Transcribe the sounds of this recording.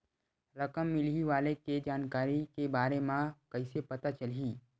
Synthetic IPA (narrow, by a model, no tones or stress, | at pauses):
ɾɐkəmːɪliʋaːleked͡ʒaːnkaːɾikebaːɾemãkɐɪsepɐt̪at͡ʃəliː